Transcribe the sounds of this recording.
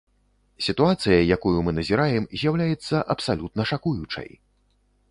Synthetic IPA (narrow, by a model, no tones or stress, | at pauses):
sʲit̪uat̪sɨjɐjakujumɨnɐzʲiɾajɛmzʲjawlʲajɛt̪sːɐʔɐpsalʲut̪nɐʂakujut͡ʂɐ̰j